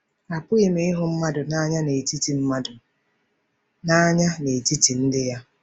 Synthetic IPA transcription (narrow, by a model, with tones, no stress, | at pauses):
a˨pʊ˦i˨me˨i˦ɦʊ˨m̩˦ma˦dʊ˨na˦ɲa˦ne˨ti˦ti˨m̩˦ma˦dʊ˨ | na˦ɲa˦ne˨ti˦ti˨n̩˦dɪ˦ja˦